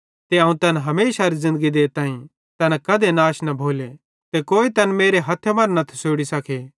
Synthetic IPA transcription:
t̪eɐ̃ːũt̪ɐnɦɐmeːʃaɾizɪ̃nd̪əɡid̪eːt̪aːĩ | t̪ɐnɛkɐd̪enaːʃnɐbʱoːle | t̪ekoːit̪ɐnmeːɾeɦɐt̪ʰːemɐnnɐt̪ʰɛ̥soːɽisɐkʰeː

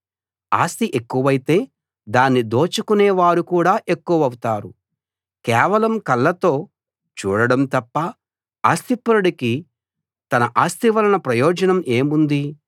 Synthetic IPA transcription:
a̰ːst̪iʔekːuʋɐjit̪e̞ː | d̪aːnːid̪oːt͡ʃukunɛːʋaːɾukuːɽaːʔe̞kːuʋɐɐwut̪aːɾu | kɛːʋɐlɐmkɐlːɐt̪o̞ː | t͡ʃṵːɽɐɽɐmt̪ɐpːɐ | aːst̪ipːɐɾɐɽiki | t̪ɐnɐʔaːst̪iʋɐlɐnɐpɾɐjɔːd͡ʒɐnɐme̞ːmund̪i

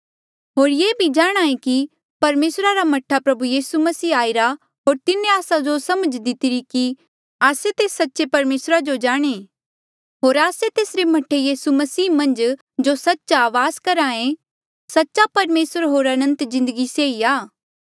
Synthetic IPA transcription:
ɦoːɾjeːbʱid͡ʒaːɽ̃aːẽki | pɐɾmeːsɾaɾamɐʈʰːapɾɐbujiːsumɐsiːaːɪɾa | ɦoːɾt̪ɪnːẽaːsad͡ʒosɐməd͡ʒd̪ɪt̪ɪɾiki | aːset̪eːsɐtːʃepɐɾmeːsɾad͡ʒod͡ʒaːɽ̃e | ɦoːɾaːset̪eːsɾemɐʈʰejiːsumɐsiːmɐ̃nd͡ʒ | d͡ʒosɐtːʃaːʋaːzkɐɾãːẽ | sɐtːʃapɐɾmeːsəɾɦoːɾɐnə̃nt̪zɪ̃nd̪əɡiseːiaː

